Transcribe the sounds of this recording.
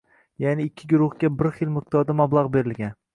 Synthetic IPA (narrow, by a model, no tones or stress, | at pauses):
janɪːkʲʰːɪɡʊɾʊhɡʲabɪɾχɪlmɪq̚d̪ɒɾd̪amablˠaʁbe̞ɾɪlɡʲan